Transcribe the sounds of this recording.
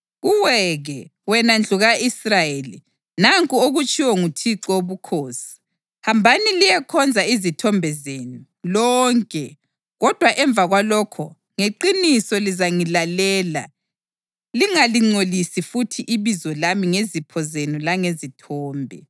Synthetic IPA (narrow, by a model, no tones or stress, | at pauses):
ɣuwɛɣɛwɛnand͡ɮʱuɣaisrajelḭ | naŋkʼuoɣut͡ʃʼiwɔŋutʰiǀɔoβukʰoːsi̥ | hambʱanilijɛkʰɔnd͡zʱaizitʰɔmbʱɛzenu | lɔːŋkʼɛ | ɣɔd̥ʱwaʔɛɱb̪vʱaɣwalɔkʰɔ̰ | ŋeǃinisɔlizaŋilalɛːla̰ | liŋaliŋ͡ǀolisifutʰiʔiβizɔlamiŋezipʰɔzenulaŋezitʰɔːmbʱɛ̰